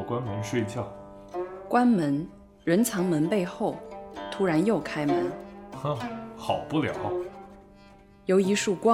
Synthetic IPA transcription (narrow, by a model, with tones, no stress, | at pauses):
kwa˥nmə˧˥nʂwe˥˧ɪt͡ɕjɑ˥˩ʊ | kwa˥nmə˧˥n | ɻə˧˥nt͡sʰɑ˧˥ŋmə˧˥npe˥˧ɪxo˥˩ʊt̪ʰu˥ɻa˧˥njo˥˩ʊkʰa˥ɪmə˧˥n˥˩ | xɑ˨˩ʊpu˥˩ljɑ̰˨˩˦ʊ | jo˧˥ʊi˧˥ʂu˥˩kwɑ˥